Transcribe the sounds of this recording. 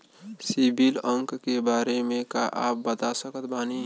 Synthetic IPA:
sibʱilə̃ŋkkebaːɾemẽka̰ʔa̰ːp̚bət̪asəkət̪̚baːni

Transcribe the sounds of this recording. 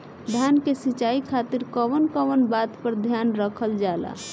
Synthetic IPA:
d̪ʱjankesit͡ʃaikʰat̪iɾkəʋənkəʋənbat̪pəɾd̪ʱjanɾəkʰəld͡ʒala̰

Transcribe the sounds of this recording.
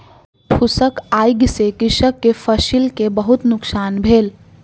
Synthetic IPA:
pʰʊsəkaːjɡsekɪʃəkːefəʃilkebɐɦʊt̪nʊksaːnbʱeːl

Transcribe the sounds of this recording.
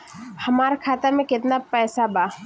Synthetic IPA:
hɐmaːɾakʰaːt̪amẽkɪt̪napɛːsabaː

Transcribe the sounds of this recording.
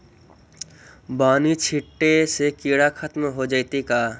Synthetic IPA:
baːnit͡ʃʰiʈːesekiɽakʰat̪mɦod͡ʒaːjt̪ika

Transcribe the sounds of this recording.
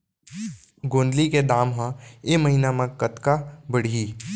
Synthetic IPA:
ɡõːnd̪liked̪aːmɦãeməɦinamãkət̪kabəɽiiː

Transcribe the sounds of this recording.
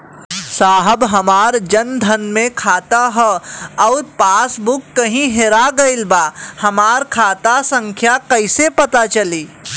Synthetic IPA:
saːɦəbɦɐmaːɾd͡ʒɐnd̪ʱənmẽkʰaːt̪aɦɛɔːɾpaːsbʊkːɐɦĩɦeɾaɡɐɪlbaːhɐmaːɾkʰaːt̪asə̃ŋkʰjakɐɪsepɐt̪at͡ʃɐliː

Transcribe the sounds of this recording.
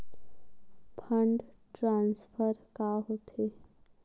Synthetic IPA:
pʰəɳɖʈɾãːnspʰəɾkaɦoːt̪eː

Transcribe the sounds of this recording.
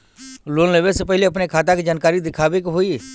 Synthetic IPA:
loːnleːʋesepɛɦɪleɐpnekʰaːt̪̬aked͡ʒaːnkaːɾid̪ɪkʰaːʋekɦoi

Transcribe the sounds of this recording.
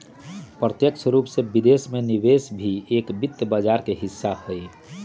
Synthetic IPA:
pɾət̪jəkt͡ʃʰɾuːpsebid̪esmeniʋesbʱieːkbɪt̪ːjbəd͡ʒaːɾkeɦɪsːahoi

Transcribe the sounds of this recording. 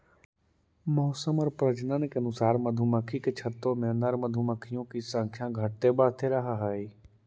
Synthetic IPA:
mɔːsəmɔɾpɾəd͡ʒnənkeɐnʊsaːɾməd̪ʱuməkʰiket͡ʃʰət̪omẽnəɾməd̪ʱuməkʰijõkisə̃ŋkʰjãɡʱəʈ̚t̪ebaːt̪ʰeɾəɦaɦaːiː

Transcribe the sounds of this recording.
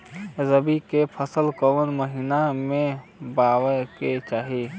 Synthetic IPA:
zəbikepʰəsəlkəʋənməɦiːnamẽbaːwəket͡ʃaːɦi

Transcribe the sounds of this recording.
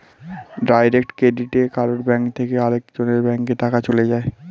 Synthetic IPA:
ɖajɾek̚ʈkɾeɖiʈekaɾoɾbɛŋkt̪ʰekeaɾek̚d͡ʑoneɾbɛŋkkːet̪akat͡ɕoled͡ʑae

